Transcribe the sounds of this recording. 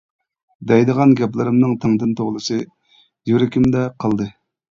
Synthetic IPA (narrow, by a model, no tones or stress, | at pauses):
d̪ɛjd̪əʁɑnɡʲɛplˠɨɾɨmnɨŋt̪ʰəŋd̪ɨnt̪ʰoʁlˠɨsɨ | jyɾɪkʲimd̪ɛqʰəlˠd̪ɨ